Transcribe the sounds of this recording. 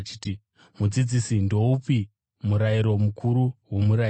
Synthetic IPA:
t͡ʃiti | mud͡zid͡zisindo̞upi | muɾaiɾo̞mukʰuɾuwo̞muɾa

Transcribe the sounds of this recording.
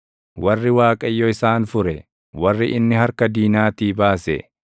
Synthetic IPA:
wɐrːɪwaːkʼɐjːɔɪsaːnfʊɾɛ | wɐrːɪʔɪnːɪhɐɾkɐd̪iːnaːt̪iːbaːsɛ̰

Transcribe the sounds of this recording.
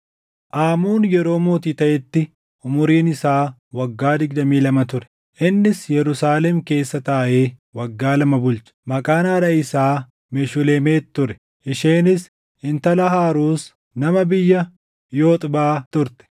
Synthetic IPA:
ʔaːmuːnjɛɾo̞ːmo̞ːt̪iːt̪ɐʔɛt̪ːɪ | ʊmʊɾiːnɪsaːwɐɡːaːd̪ɪɡd̪ɐmiːlɐmɐt̪ʊɾɛ̥ | ʔɪnːɪsjɛɾʊsaːlɛmke̞ːsːɐt̪ɐʔɐʔe̞ːwɐɡːaːlɐmɐbʊlt͡ʃɐ̥mɐkʼaːnɐːɾɐɪsaː | mɛʃʊleːmeːtt̪ːʊɾɛ̥ | ʔɪʃeːnɪs | ɪnt̪ɐlɐɦaːɾuːs | nɐmɐbɪjːɐ | joːt̪ʼbaːt̪ʊɾt̪ɛ̥

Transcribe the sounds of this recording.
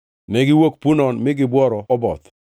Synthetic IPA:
nɛɡɪwok̚punɔnmɪɡɪbwɔɾɔɔbɔt̪

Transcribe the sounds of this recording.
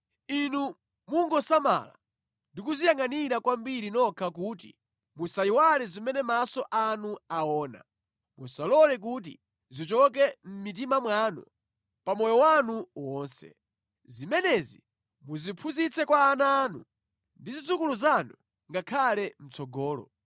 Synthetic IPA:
inu | muŋɡɔsama̰la̰ | ndik̬uzijaŋaniɾakwambiɾinɔkʰakuːtḭ | musaiwalɛzimɛnɛmasɔʔanuaɔːna̰ | musalɔlɛk̬ut̬ḭ | zit͡ʃɔk̬ɛm̩mit̬imamwanṵ | pamɔjɔwanuwɔːnsɛ̰ | zimɛnɛzḭ | muzipʰuzit͡sɛkwaːnaːnu | ndizit͡sukuluzanu | ŋɡakʰalɛm̩t͡sʰɔɡɔːlɔ̰

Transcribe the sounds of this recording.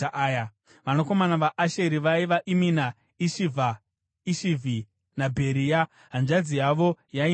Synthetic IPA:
ʔaja | ʋanoko̞manaʋaʔaʃe̞ɾiʋaiʋaʔimina | iʃivʱa | iʃivʱi | nabʱe̞ɾija | ɦanʐad͡zijaʋo̞jai

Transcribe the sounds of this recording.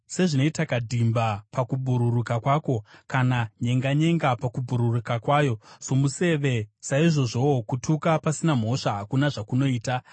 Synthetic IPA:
se̞ʐinoitakadʱimbapakubʱuɾuɾukakwaːko̞kanaɲe̞ŋɡaɲe̞ŋɡapakubʱuɾurukakwaːjo̞so̞muse̞ʋe̞saiʐo̞ʐo̞kutʰukapasinam̤o̞ʂaɦakunaʐakuno̞iːta

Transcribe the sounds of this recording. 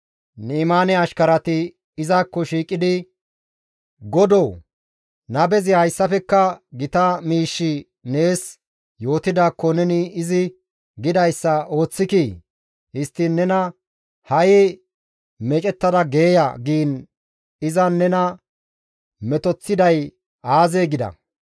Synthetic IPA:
niːmaːnɛɐʃkɐɾɐt̪ɪ | ɪzaːkːɔʃiːkʼːɪd̪ɪ | ɡɔd̪oː | nɐbɛzɪhɐjsːɐfɛkːɐɡɪt̪ɐmiːʃːɪ | ne̞ːs | jo̞ːt̪ɪd̪aːkːɔnɛnɪːzɪ | ɡɪd̪ɐjsːɐo̞ːt͡sːɪki | hɪst̪ːɪnːɛnɐ | hɐjɪ | mɛt͡ʃʼɛt̪ːɐd̪ɐɡe̞ːjɐ̰ɡiːn | ɪzɐnːɛnɐ | mɛt̪ɔt͡sːɪd̪ɐj | aːzeːɡɪd̪ɐ̰

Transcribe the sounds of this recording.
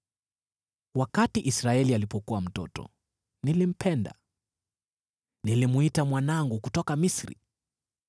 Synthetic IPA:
wakatiʔisɾaɛlialipɔkuwam̩tɔ̰tɔ̰ | nilim̩pʰɛnda̰ | nilimuitamwanaŋɡukutɔkamisɾḭ

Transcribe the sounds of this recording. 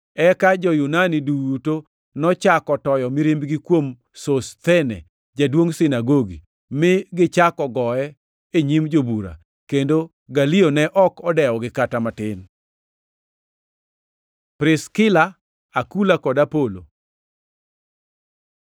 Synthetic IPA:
ɛkad͡ʒɔjunaniduto | nɔt͡ʃakɔtɔjɔmɪɾimbɡikwom | sost̪ɛnɛ̰ | d͡ʒadwoŋsɪnaɡoɡḭ | mɪɡɪt͡ʃakɔɡɔɛ | eɲimd͡ʒobuɾa̰ | kendo | ɡalionɛʔɔkɔdɛɔɡɪkatamatɪn | pɾɪskɪla | akulakɔdapolo̰

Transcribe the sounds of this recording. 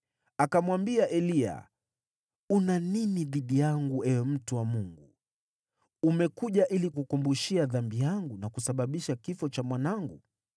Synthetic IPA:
akamwambiaʔɛlia̰ | unaniniðiɗijaŋɡuɛɔm̩tuwamuŋɡu | umɛkuʄaʔilikukumbuʃiaðambijaŋɡunakusaɓaɓiʃakifɔt͡ʃamwanaŋɡṵ

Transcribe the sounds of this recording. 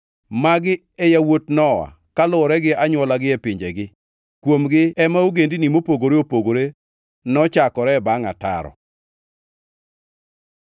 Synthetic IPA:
maɡɪ | ɛjawotnɔwa̰ | kalʊɔɾɛɡɪaɲwɔlaɡɪɛpɪɲd͡ʒeɡɪ | kwomɡɪɛmauɡendinimopoɡoɾeopoɡoɾe | nɔt͡ʃakɔɾɛbaŋata̰ɾɔ̰

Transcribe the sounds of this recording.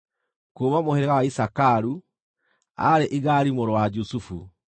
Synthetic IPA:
koːmamoheɾeɣawaisakaɾu | a̰ɾeʔiɣaɾimoɾowad͡ʒusufṵ

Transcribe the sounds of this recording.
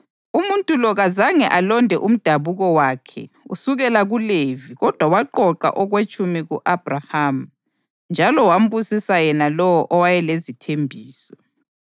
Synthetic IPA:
umuntʼulɔɣazaŋɛʔalɔndʱɛʔum̩d̥ʱaβuɣɔwakʰɛ̰ṵsuɣɛlaɣuleviɣɔd̥ʱwawaǃɔǃa̰ʔɔɣwet͡ʃʼumiɣuʔab̥raham̩ | nd͡ʒʱalɔwam̩busisajɛnalɔwɔʔɔwajɛlezitʰembʱiːsɔ̥

